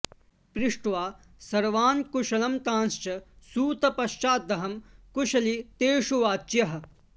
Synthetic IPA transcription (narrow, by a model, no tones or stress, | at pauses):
pɾɪʂʈʋaː | sɐɾʋaːnkuʃɐlɐmt̪ãːnst͡ʃɐsuːt̪ɐpɐʃt͡ʃaːt̪ːɐɦɐmkuʃɐlit̪eːʂuʋaːt͡ʃjɐɦɐ̆